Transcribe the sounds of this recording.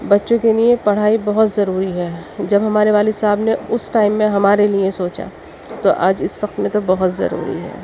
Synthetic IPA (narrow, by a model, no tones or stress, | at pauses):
bɐtːʃõkeliepɐɽ̤aːibɐɦʊt̪zɐɾuːɾiɦɛːd͡ʒɐbɦɐmaːɾeʋaːlisaːbneʊsʈaːɪmːẽɦɐmaːɾeliẽsoːt͡ʃa̰ | t̪oʔa̰ːd͡ʒɪsʋɐqt̪mẽt̪obɐɦʊt̪zɐ̰ɾṵːɾḭɦɛ̰ː